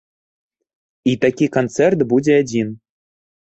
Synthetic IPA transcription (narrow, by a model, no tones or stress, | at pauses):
it̪ɑkʲikont͡sert̪budʲĕːdʲin